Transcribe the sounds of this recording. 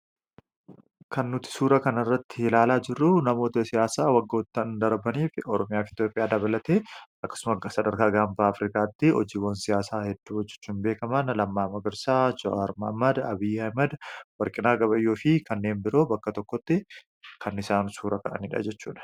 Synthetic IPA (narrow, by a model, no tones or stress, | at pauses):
kɐnːʊt̪ɪ̥suːɾɐkɐnɪrːɐt̪ːɪlaːlaːd͡ʒɪrːʊnɐmo̞ːt̪ɐsɪjaːsaːwɐɡːo̞ːt̪ːɐnd̪ɐɾbɐniːfɪɔɾɔmɪjaːfɪt̪jo̞ːpʼɪjaːd̪ɐβɐlɐt̪eːɐkːɐ̥sʊmɐsɐd̪ɐɾkaːɡaːmbaːɐfɾikaːt̪ːɪɔ̰d͡ʒiːwɐnsɪjaːsaːhɛd̪ːuːɔd͡ʒːɛ̥t͡ʃːuːnbeːkɐmɐnlɐmːaːmɐɡɪɾsaːd͡ʒɔʔɐɾmɐhmɐd̪ɐbɪjːɐhmɐd̪wɐɾkʼɪnaːɡɐbɐjːoːfɪkɐnːe̞ːnbɪɾo̞ːbɐkːɐt̪ɔkːɔt̪ːɪ | kʰɐnɪsaːnsuːɾɐkɐʔɐ̰niːᶑɐ̰d͡ʒɛt͡ʃːṵːᶑɐ̥